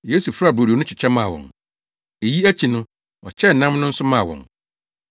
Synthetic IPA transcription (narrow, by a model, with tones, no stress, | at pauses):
je˦su˨fɾa˦˨bo˨ɾi˨o˨nʊ̃˦t͡ɕʰɪ˨t͡ɕʰɛ˦mã˦˨wɔ̰̃˨n | e˨ji˦æ˦t͡ɕʰi˨nʊ̃˦ | ɔ˨t͡ɕʰɛ˦˨n̩˨nã˦mnʊ̃˦n̩˦sʊ˦mã˦˨wɔ̰̃˨n